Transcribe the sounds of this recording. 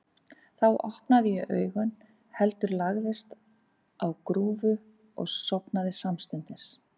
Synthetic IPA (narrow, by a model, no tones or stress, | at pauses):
θawʔɔ̰hpnaðɪjʏʔœ̰ːɥɣʏn | hɛlt̪ʏɾlaɣðɪst̪ | awkɾuːvʏ | ɔ̰ɣsɔpnaðɪsamst̪ʏnt̪ɪs